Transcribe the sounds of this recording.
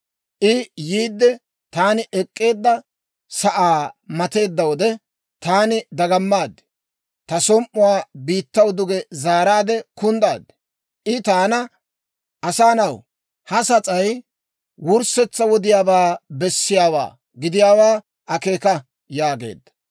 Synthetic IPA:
ʔɪjiːd̪ːɛ | t̪aːnɪʔɛkʼːe̞ːd̪ːɐ | sɐʔaːmɐt̪e̞ːd̪ːɐwɔd̪ɛ | t̪aːnɪd̪ɐɡɐmːaːd̪ɛ̥ | t̪ɐsɔmʔːʊwaːbiːt̪ːɐwd̪ʊɡɛzaːɾaːd̪ɛkʊnd̪aːd̪ɛ̥ | ʔɪt̪aːnɐ | ʔɐsaːnɐw | hɐsɐt͡sʼɐj | wʊɾsɛt͡sːɐwɔd̪ɪjaːbaːbɛsːɪjaːwa̰ː | ɡɪd̪ɪjaːwaː | ɐke̞ːkɐ | jaːɡe̞̰ːd̪ːɐ̥

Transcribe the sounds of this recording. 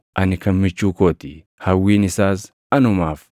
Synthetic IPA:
ʔɐnɪkɐmmɪt͡ʃːuːkoːt̪ɪ | hɐwːiːnɪsaːs | ɐnʊmaːf

